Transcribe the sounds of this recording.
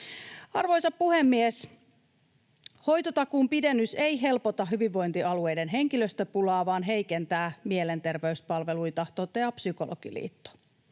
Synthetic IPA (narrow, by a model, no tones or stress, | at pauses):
ɑrʋo̞jsɑppuhemːies | ho̞jt̪ot̪ɑkuːmpidenːyse̞jɦe̞lpot̪ɑɦyʋiʋːo̞jnt̪iɑlue̞jde̞nɦe̞ŋkiløst̪øpulɑːʋɑːnɦe̞ijkent̪æːmiele̞nt̪e̞rʋe̞yspɑlʋe̞lujt̪ɑht̪oːt̪ːeɑpsyko̞lʔo̰ɡ̥ḭlḭːt̪ːo̥